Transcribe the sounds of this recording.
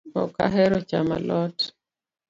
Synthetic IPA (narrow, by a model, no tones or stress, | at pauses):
ɔ̰ka̰ɦɛɾɔt͡ʃama̰lɔt